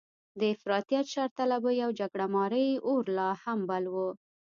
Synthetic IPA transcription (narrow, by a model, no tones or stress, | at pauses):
d̪əɪfɾɑt̪ijat̪ʃɑɾt̪alabəjawd͡ʒaɡɽamɑɾəjoɾlɑhambalwə